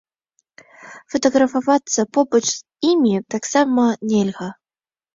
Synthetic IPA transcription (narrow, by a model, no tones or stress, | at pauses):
fɐt̪ɐɣɾɐfavat̪sːɐpɔbɐt͡ʂz | imʲit̪aksamɐnʲɛlʲɣɐ